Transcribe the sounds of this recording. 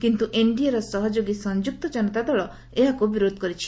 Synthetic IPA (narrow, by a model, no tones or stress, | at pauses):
kint̪uʔiɳɖijaɾɔsɔɦɔd͡ʒoɡisɔnd͡ʒuk̚t̪ɔd͡ʒɔnɔt̪ad̪ɔɭɔ | eɦakubiɾod̪ʱɔkɔɾit͡ʃʰi̥